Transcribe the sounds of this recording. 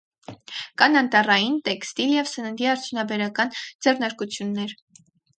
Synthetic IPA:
kɑnɑnt̪ɑrɑjint̪ɛkst̪iljɛvsənənd̪iɑɾt͡sʰjunɑbɛɾɑkɑnd͡zɛrnɑɾkut͡sʰjunːɛɾ

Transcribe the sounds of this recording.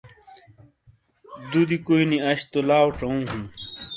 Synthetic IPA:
d̪ud̪ikoiniɐɕt̪olaːwʈ͡ʂɐũːɦũn

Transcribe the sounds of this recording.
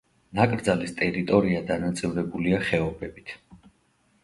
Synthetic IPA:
nakʼɾd̪zalist̪ʼɛɾit̪ʼɔɾiad̪anat̪sʼivɾɛbuliaχɛɔbɛbit̪ʰ

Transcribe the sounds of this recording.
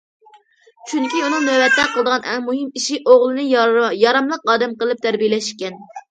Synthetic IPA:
t͡ʃʰyŋkʲiunɨŋnøbɛt̪ːɛqʰəlˠəd̪əʁɑnʔɛŋmuhɨmiʃiʔoʁlˠɨnɨjjɑɾɑmlˠəqɑːd̪ɛmqəlˠɨp̚t̪ʰæɾbijelɛʃkʲɛn

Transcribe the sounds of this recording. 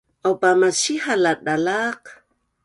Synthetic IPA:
ʔawpamasiɦalat̚dalaq

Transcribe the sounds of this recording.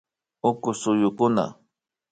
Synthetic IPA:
ʊkʊsʊjʊkʊna̰

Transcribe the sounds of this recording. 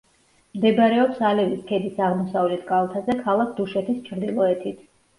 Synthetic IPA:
md̪ɛbɾɛɔpsalɛviskʰɛd̪isaʁmɔsavlɛt̪ʰkʼalˠt̪ʰazɛkʰalˠak̚ʰd̪uʃɛt̪ʰist͡ʃʰɾd̪ilˠɔɛt̪ʰit̪ʰ

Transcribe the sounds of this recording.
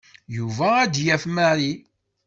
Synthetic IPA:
juvæːd̪jæfmæɾi

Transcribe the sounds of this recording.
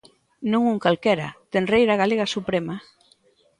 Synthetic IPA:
nõŋuŋkalkɛɾa̰t̪enrejɾaɣ̞aleɣasupɾema

